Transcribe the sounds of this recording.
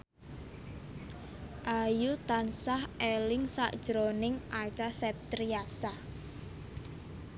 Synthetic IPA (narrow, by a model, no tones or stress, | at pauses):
ʔajut̪ansahelɪŋsaʔd̥ʒ̥ɾonɪŋʔat͡ʃasɛp̚t̪ɾiasah